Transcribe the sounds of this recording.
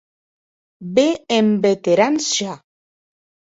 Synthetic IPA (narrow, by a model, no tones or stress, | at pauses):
beembet̪eɾansa